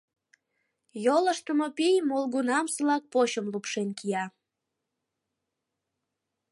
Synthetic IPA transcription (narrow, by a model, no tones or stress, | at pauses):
joləʃt̪əmopijmolɣunɑmsəlɑk̚poɕəmlupʃenkijɑ